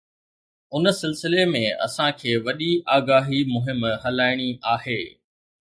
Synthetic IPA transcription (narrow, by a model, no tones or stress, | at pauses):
ʊnə̆sɪlsɪlemẽɐ̰sãkʰeːʋɐɗiʔaːɡaːɦimʊɦɪmhɐlaːɪɽ̃iʔaːɦeː